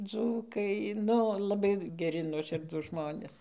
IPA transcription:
ˈd͡zuːkɐɪ ˈnʊ lˠɐˈbɐɪ ɡʲɛˈrʲɪ nuɔˈʃʲɪrduːs ˈʒmoːnʲeːs

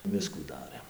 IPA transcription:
ˈʋʲɪskuː ˈdɑːrɘm

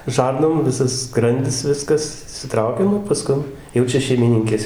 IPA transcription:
ˈʒɐrnoːm ˈʋʲɪsɐs ˈskrɐnʲdʲɪs ˈʋʲɪskɐs ɪʃʲsʲɪˈtrɐʊkʲɛ ˈnʊ pɐˈskʊn ˈjɛʊ t͡ʃʲɛ ʃʲɛɪmʲɪˈnʲɪŋʲkʲeːs

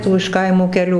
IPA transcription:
ˈtuː ɪʃ ˈkɐɪmuː kʲɛˈlʲuː

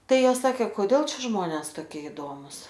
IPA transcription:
ˈtɐɪ ˈjoːs ˈsɑːkʲeː koːˈdʲeːlˠ ˈt͡ʃʲɛ ˈʒmoːnʲɛs toːˈkʲiɛ ɪˈdoːmʊs

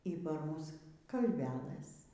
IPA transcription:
iː pɐr ˈmʊs kɐlʲʋʲɛˈlˠɘs

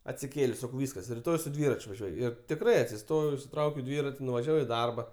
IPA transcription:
ɐtʲsʲɪˈkʲeːlʲeːsʲ ˈsɑːkɐʊ ˈʋʲiːskɐs rʲɪˈtoːj sʊ ˈdʲʋʲɪrɐt͡ʃʲ ʋɐˈʒʲuɔj ɪr tʲɪkˈrɐɪ ɐtʲsʲɪˈstoːjɛʊ ɪʃʲsʲɪˈtrɐʊkʲɛʊ ˈdʲʋʲɪrɐtʲɪ nʊʋɐˈʒʲæːʋɐʊ iː ˈdɐrbɐ

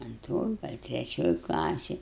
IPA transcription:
ɐnˈtroːj ɡɐlˠ tʲrʲɛˈt͡ʃʲoːj klˠɐˈsʲeːj

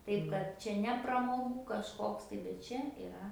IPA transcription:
ˈtɐɪp kɐt ˈt͡ʃʲɛ nʲɛ prɐmoːˈɡuː kɐʃˈkoːks tɐɪ bʲɛt ˈt͡ʃʲɛ ɪˈrɐ

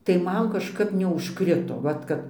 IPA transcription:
tɐɪ ˈmɐn kɐʃˈkɐp nʲɛʊʃˈkrʲɪtoː ˈʋɐt kɐt

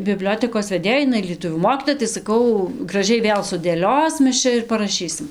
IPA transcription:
bʲɪˈbʲlʲoːtʲɛkoːs ʋʲɛˈdʲeːjɛɪ ɪˈnɐɪ lʲiɛˈtʊʋʲuː ˈmoːkʲiːtoːjɛ tɐɪ sɐˈkɐʊ ɡrɐˈʒʲɛɪ ˈʋʲeːlˠ sʊdʲeːˈlʲoːs ˈmʲɛs ˈt͡ʃʲɛ ɪr pɐrɐˈʃʲiːsʲɪm

